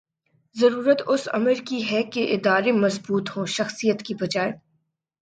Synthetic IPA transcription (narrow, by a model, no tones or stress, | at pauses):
zɐɾuːɾət̪ʊsɐ̰məɾkiɦɛkeʔɪd̪aːɾemɐzbuːt̪ɦõːʃɐxsijət̪kibɐd͡ʒaːe